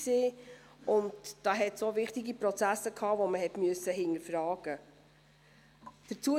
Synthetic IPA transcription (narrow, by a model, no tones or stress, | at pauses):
seː | ʊndd̥ɑːɦɛtsoːvɪχtiɡipɾɔt͡sæsəkʰɑːvoməɦɛtmyøəsəɦɪnəfɾɑːɡ̥ə | d̥ət͡suə